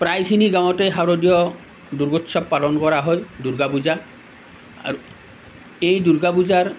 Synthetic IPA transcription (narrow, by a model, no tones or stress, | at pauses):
pɹajkʰiniɡawɔtejɦaɾodijɔ | d̪uɾɡotːsɔbpalɔnkɔɹaɦɔjduɾɡabuza | a̰u | ejduɾɡabuzaɹ